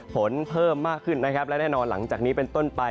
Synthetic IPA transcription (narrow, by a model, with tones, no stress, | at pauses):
pʰo˩˦npʰɤː˥˩mːaː˥˩kʰːɯ˥˩nːa˦˥kʰa˦˥p̚lɛ˦˥nɛː˥˩nɔː˧nla̰˩˦ŋt͡ɕaː˨˩k̚niː˦˥pe˧nt̪o˥˩npa˧